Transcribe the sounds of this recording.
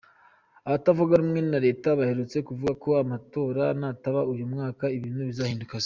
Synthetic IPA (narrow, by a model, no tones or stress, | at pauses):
aβatavoɡaɾimŋe̞ninaɾe̞ːtaβahe̞ɾut͡se̞kuvuɡako̞amato̞ːɾanataβaujomŋaːkaiβiːnuβizahiːndukas